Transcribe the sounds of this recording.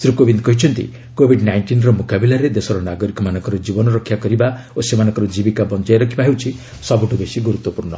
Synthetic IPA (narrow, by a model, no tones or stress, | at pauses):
sɾukobind̪kɔɦit͡ʃʰɔnt̪ḭ | kobʱiɖnajɳʈinɾɔmukabilaɾed̪esɔɾɔnaɡɔɾikɔmanɔ̃ŋkɔɾɔd͡ʒibɔnɔɾɔkʰːjakɔɾiba | osemanɔŋkɔɾɔd͡ʒibikabɔnd͡ʒajɾɔkʰibaɦewt͡ʃʰi | sɔbuʈubesiɡuɾut̪wɔpuɾnɔ̰